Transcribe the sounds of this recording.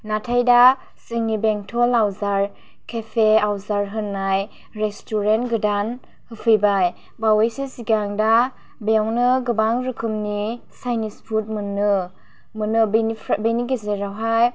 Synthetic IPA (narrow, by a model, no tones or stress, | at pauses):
natʰajda | siŋnibeŋtʰolawzaɾ | kʰepʰeawzaɾɦɯnːaj | ɾestuɾentɡɯdan | hɯpʰɯjbaj | bawejsisiɡaŋda | beawnɯɡɯbaŋɾɯkʰɯmni | sajnispʰut̚mɯnːɯ | mɯnɯbʰbeniɡezeɾawɦaj